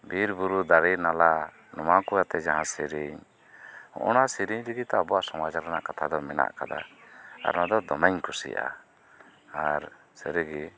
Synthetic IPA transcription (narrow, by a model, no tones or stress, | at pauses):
biɾbuɾud̪aɾinala | nɔmakujat̪ɛd͡ʒaɦãsiɾiɲ | ɔ̰̃ʔɔnasiɾiɲd̪iɡit̪abɔwaʔsɔmat͡ʃaɾana̰ʔkat̪ʰad̪ɔmɛna̰ʔkad̪a̰a̰ɾnad̪ɔd̪ɔmaɲkusḭa̰ | aɾ | sɛɾiɡi